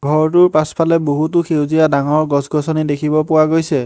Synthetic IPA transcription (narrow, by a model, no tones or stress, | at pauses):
ɡʱɔɹtʊɹpaspʰalɛboɦutʊxʰewzijadaŋɔɹɡɔsɡɔsɔnidekʰibɔpʊwaɡojsɛ